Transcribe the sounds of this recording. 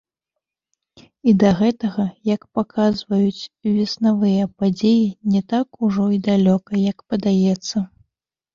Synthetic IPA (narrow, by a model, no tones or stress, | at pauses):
id̪ɐɣɛt̪ɐɣɐjɐkpakʰazvɐjut͡sʲvʲɛsnavɨjɐpad͡zʲejinʲɛt̪akuʐɔid̪alʲɔkɐjɐkpɐd̪ajɛt̪sːɐ